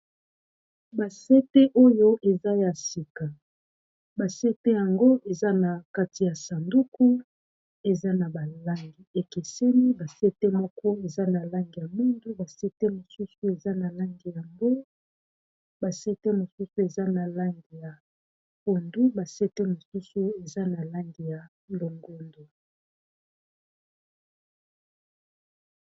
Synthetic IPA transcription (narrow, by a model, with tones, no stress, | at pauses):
ba˨se˦te˦ʔo˦jo˦ʔe˨za˦ja˨si˨ka˨ | ba˨se˦te˦ja˨ŋɡo˦ʔe˨za˦na˨ka˦ti˨ja˨sa˨ndu˦ku˦ | e˨za˦na˨ba˨la˦ŋɡi˨e˨ke˨sɛ˦ni˦ba˨se˦te˦mɔ˦kɔ˦e˨za˦na˨la˦ŋɡi˨ja˨mu˦ndu˦ba˨se˦te˦mo˨su˦su˦e˨za˦na˨la˦ŋɡi˨ja˨ŋɡo˦ | ba˨se˦te˦mo˨su˦su˦e˨za˦na˨la˦ŋɡi˨ja˨ | po˨ndu˦ba˨se˦te˦mo˨su˦su˦e˨za˦na˨la˦ŋɡi˨ja˨ | lo˨ŋɡo˦ndo˨